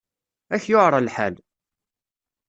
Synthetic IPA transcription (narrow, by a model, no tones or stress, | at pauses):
æçjʊʕɾˤɑlħa̰l